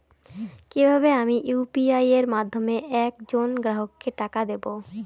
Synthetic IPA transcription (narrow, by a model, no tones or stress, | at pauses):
kebʱaβeamiʔupiajeɾmad̪ʱomeʔɛkd͡ʑonɡɾaɦokːeʈakad̪ebo